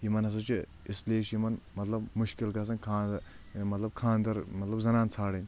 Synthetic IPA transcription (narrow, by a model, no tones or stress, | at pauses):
jimɐnɐs̬ɐt͡ʃʰi | ɪsleːʃjimɐnmɐt̪lɐbmʊʃkilkɐs̬ɐnkʰaː | mɐt̪lɐb̚kʰãːnd̪ɐɾmɐt̪lɐbzɐnaːnt͡sʰaːɽɐnʲ